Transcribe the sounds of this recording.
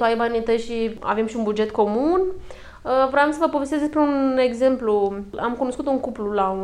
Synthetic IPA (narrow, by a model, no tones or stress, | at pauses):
t̪oajbanit̪əjʃia̰ve̞mʃiunbud͡ʒe̞t̪ko̞mun | əvɾoamsəvəpovest̪ezd̪espɾeune̞ɡze̞mpluamkuno̞skut̪uŋkuplulau